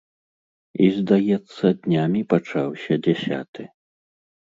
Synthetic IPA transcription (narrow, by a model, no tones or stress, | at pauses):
izd̪ajɛt̪sːɐd̪ʲnʲamʲipat͡ʂawsʲɐd͡zʲɛsʲa̰t̪ɨ